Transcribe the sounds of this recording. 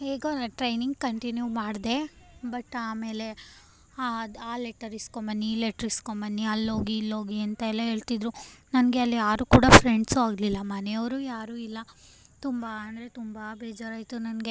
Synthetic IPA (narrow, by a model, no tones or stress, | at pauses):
heːɡoʈɾɐjniŋɡkɐɳʈinjuːmaːɽd̪e̞bɐʈaːme̞ːle̞ | ad̪aːleʈɐɾiskombɐnːileʈɐɾiskombɐnːiɐlːo̞ːɡiːlːo̞ːɡiɐnt̪ɐɛlːɐɦe̞ːɭt̪id̪ɾunɐnɡe̞ɐlːijaːɾuːkuːɽɐpʰɾeɳɖsuaːɡlilːɐmɐnejɐʋɾuːjaːɾuːilːɐ | t̪umbɐːnd̪ɐɾe̞t̪umbɐbeːd͡ʒaːɾaːjt̪unɐnɡe